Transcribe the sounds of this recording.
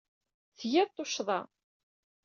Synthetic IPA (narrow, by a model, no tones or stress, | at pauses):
θjæðt̪ˤːoʃðˤɑ̰